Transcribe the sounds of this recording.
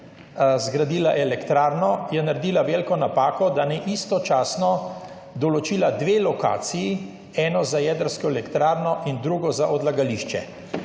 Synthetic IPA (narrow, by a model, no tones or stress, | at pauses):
zɡɾad̪iːlaʔɛlɛkt̪ɾaːɾnɔjɛnaɾd̪iːlaʋeːlkɔnapaːkɔd̪anɛʔist̪ɔt͡ʃaːsnɔ | d̪ɔlɔt͡ʃiːlad̪ʋeːlɔka̰ːt̪siji | ɛnɔzajɛd̪əɾskɔelɛkt̪ɾaːɾnɔʔind̪ɾuːɡɔzaʔɔd̪laɡaliʃt͡ʃɛ̰